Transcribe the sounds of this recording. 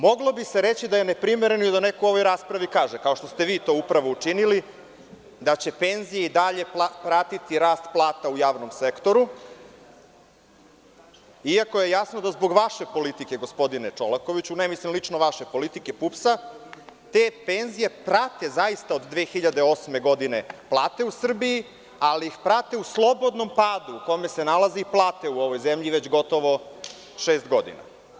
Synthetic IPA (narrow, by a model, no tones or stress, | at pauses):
mo̞ɡlˠo̞bise̞ɾe̞t͡ɕid̪aje̞ne̞pɾimeɾe̞nojd̪ane̞koo̞ʋo̞jɾaːspɾaʋikaːʒekaoʃt̪o̞st̪e̞ʋiːt̪o̞ːupɾaʋo̞ut͡ʂinili | d̪at͡ɕe̞pe̞nzijeid̪aʎe̞papɾat̪it̪iɾaːst̪plˠaːt̪aujaːʋno̞msekt̪o̞ɾu | iako̞je̞jasnod̪azbo̞ɡʋaʃe̞po̞lit̪ike̞ɡo̞spo̞d̪inet͡ʂolako̞ʋit͡ɕunemislimlit͡ʂnoʋaʃe̞po̞lit̪ike̞pupsa | t̪e̞ːpe̞nzije̞pɾat̪e̞zaist̪aod̪d̪ʋeːxiʎad̪e̞o̞sme̞ɡo̞d̪ineplˠaːt̪e̞usr̩bii | aliixpɾat̪e̞uslˠo̞bo̞d̪no̞mpaːd̪uːko̞me̞se̞nalˠaziiplˠaːt̪e̞uo̞ʋo̞jzemʎiʋe̞t͡ɕɡo̞t̪o̞ʋo̞ | ʃeːst̪ɡo̞d̪ḭna̰